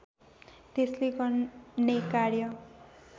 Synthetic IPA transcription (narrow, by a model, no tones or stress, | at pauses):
t̪esleɡʌnekaɾjʌ